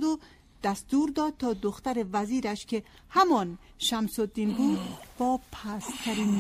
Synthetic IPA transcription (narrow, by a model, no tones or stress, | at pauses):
d̪o | d̪̥æst̪uɾd̪ɒːd̪̚t̪ʰɒːd̪oxt̪æɾevæziːɾæʃkʰe | hæmɒːnʃæmsod̪ːiːnbuːd̪̚b̥ɒːpʰæst̪ʰæɾinː